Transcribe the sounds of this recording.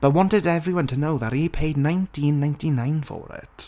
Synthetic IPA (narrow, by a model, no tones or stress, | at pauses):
b̥əwɔntɪdɛvɾiwə̃ntʰənowðaɾipʰejdnãjntʰinːãjntʰinːãjnfɔ̰ɾɪ̰t